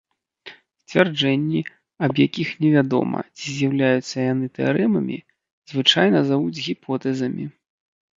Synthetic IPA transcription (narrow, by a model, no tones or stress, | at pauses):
sʲt͡sʲvʲard͡ʐɛnʲːi | ɐbjakʲixnʲɛvʲad̪ɔ̰mɐ̰t͡sʲizʲjawlʲajut̪sːɐjanɨt̪ɛa̰ɾɛmɐmʲḭ | z̥vɨt͡ʂajnɐzavud͡zʲɣʲipʰɔt̪ɛzɐmʲḭ